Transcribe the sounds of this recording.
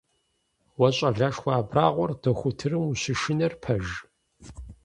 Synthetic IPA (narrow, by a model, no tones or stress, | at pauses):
wɐɕʼɐɮaːʂxʷaːbraːʁʷɔrdɐxʷʊtʰɨrɨmuɕɪʃɪnɐrpʰɐʒ